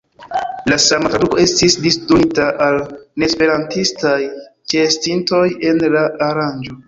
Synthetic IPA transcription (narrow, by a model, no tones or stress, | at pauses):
lasamatɾaduko̞e̞stisdistɾuitaʔalne̞spe̞ɾantistajt͡ʃestinto̞je̞nlaʔaɾand͡ʒo̞